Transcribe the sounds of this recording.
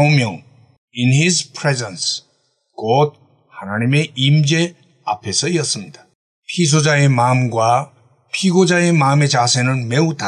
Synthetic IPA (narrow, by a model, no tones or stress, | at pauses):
umjʌŋ | inɦizpʰɾezens | kʌd̚ | hanaɲime̞imd͡ʑe̞ | apʰe̞sʰʌiʌs͈ɯmɲid̥ḁ | pʰis̬ʰod͡ʑaemamɡwa | pʰiɡod͡ʑae̞mame̞t͡ɕasʰenɯnmeuta